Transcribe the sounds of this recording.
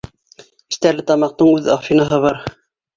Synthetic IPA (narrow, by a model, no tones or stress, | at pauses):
ɘ̥̆st̪æɾlɘt̪ɑmɑq̚t̪ɤɴʉðɑfinɑɦɤβɑɾ